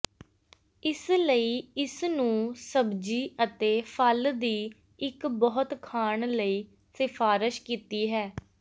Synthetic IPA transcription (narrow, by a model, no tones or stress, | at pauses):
ɪsləiːɪsnũːsəbd͡ʒiːət̪eːpʰəld̪iː | ɪkbɔːʊt̪kʰaːɳləiː | sɪfʰaːɾɪʃkiːt̪iːɦɛː